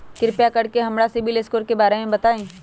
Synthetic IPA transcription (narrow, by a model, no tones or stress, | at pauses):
kɪɾpjakɐɽkeɦɐmɾasɪbʱileskoːɾkebaːɾemẽbɐt̪aːẽː